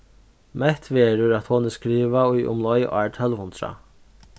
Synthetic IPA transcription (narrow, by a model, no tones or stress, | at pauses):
mɛht̪ʋeːɾʊɾæt̪hoːnəskɾiːʋaʊjʔʊ̰mlɔjʔaːɹʈ̪ʰœlʋhʊnt̪ɾa̰